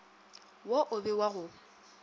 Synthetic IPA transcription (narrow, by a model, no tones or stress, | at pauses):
wɔʔʊbɪwaɣʊ